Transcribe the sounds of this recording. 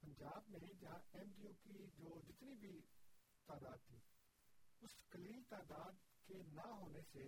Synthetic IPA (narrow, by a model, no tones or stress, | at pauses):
pɐ̃ɲd͡ʒaːbmẽd͡ʒãɛːmɖijuːpid͡ʒoːd͡ʒɪt̪niːbʱiː | t̪aːd̪aːd̪̚t̪ʰiː | ʊskəliːlt̪aːd̪aːd̪kenaɦoːnese